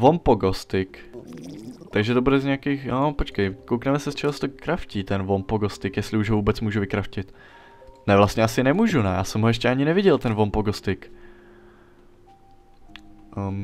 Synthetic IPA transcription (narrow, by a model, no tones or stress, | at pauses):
vo̞mpoɡost̪ɪk | t̪aɡʒɛt̪obudɛzɲɛakiːxnopot͡ʃkɛjkowknɛmɛsɛst͡ʃɛɦosɛ̥t̪okɾafciːt̪ɛnvo̞mpoɡost̪ɪkjɛst̪lɪuʒɦovuːbɛt͡smuːʒuvɪkɾafcɪt̪ | nɛvlast̪ɲɛasɪnɛmuːʒunɛjaːsɛmɦojɛʃcɛaɲɪnɛvɪɟɛlt̪ɛnvo̞mpoɡost̪ɪk